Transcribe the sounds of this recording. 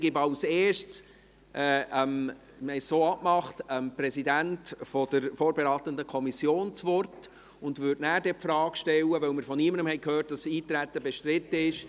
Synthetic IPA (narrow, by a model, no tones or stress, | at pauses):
ɡ̥ɪbɑʊseːʃtt͡s | ʔɛːəm | məɪssoːɑpmɑχtəmpɾɛsidæntfɔd̥əɾfoːɾbɛɾɑːt̪əndəkʰɔmisjoːnt͡sʋɔrt | ʊndvʏdnæːɾdɛpfɾɑːkʃtɛwəʋœwmɪɾfɔniəməndəmhɛɪkhøːrt̚d̥ɑsiːtɾæt̪ːəbɛʃtɾɪtːəɪʃ